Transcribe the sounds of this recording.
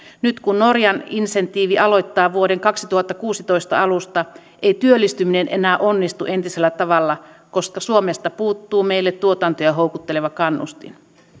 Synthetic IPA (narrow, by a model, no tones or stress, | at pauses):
nyt̪kunno̞rjɑninse̞nt̪iːʋiʔɑlo̞jt̪ːɑːʋuodeŋkɑksit̪uhɑt̪ːɑkuːsit̪o̞jst̪ɑ̰ɑlust̪ɑ | ʔejt̪yølːˑist̪ymine̞nʔe̞næːʔo̞nːist̪uʔe̞nt̪ise̞lːæt̪ɑʋɑlːɑ | ko̞skɑsuomest̪ɑpuːt̪ːuːme̞ilːet̪t̪ːuot̪ɑnt̪ojɑɦo̞wkut̪ːeleʋɑkɑnːṵst̪ḭn